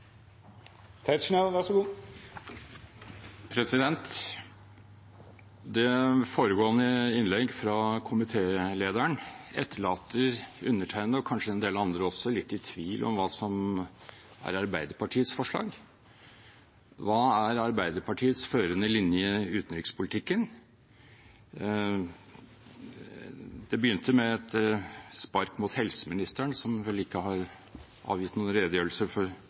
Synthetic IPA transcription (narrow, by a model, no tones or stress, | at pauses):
t̪ʰæt̪ʂɳɛʋæʂəɡuː | pʰɾɛsɪd̪ɛnt̪ | d̪ɛfoːɾəɡoːənəɪnlɛɡfɾɑkʰʊmɪt̪ʰeːleːd̪æɳɛt̪ʰːəɭɑːt̪əɾʉnːəʈʰæɪnəɔkʰɑnʂəɛnd̪eːlɑɑnd̪ɾəɔsːɔlɪt̪ːɪt̪ʰʋiːlʔɔ̰mʋɑːsɔm | æ̰ɾɑɾbæɪd̪əɾpʰɑʈʰiːət̪sfɔʂɭɑ̰ːɡ | ʋɑːæɾɑɾbæɪd̪əɾpɑʈʰiːət̪sføːɾənəlɪnjəʉːt̪nɾɪkspʰʊlɪt̪ɪkːən | d̪ɛbəjʏnt̪ʰəmɛt̪spɑɾkmuːt̪hɛlsəmɪnɪst̪əɳsɔmʋɛlːɪkːəhɑɾ | ʔɑ̰ːʋjɪt̪ːnuːənɾeːd̪əjøːɾl̩səfɔɾ